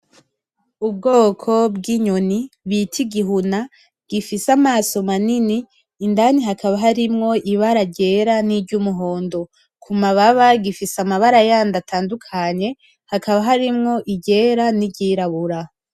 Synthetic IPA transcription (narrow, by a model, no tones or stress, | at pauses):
ub̚ɡo̞ːkʰo̞bɡiɲo̞niβitʰiɡiɦuna | ɡ̥ifisamaːso̞maniniː | ndaniɦakaβaɦaɾimŋo̞iβaɾaɟe̞ːɾaniɟumuɦo̞ːndo̞ | kʰumaβaβaɡifisamaβaɾajaːndatʰaːndukʰaɲe̞ | hakaβaɦaɾimŋo̞ʔiɟe̞ːɾaniɟiːɾaβuɾa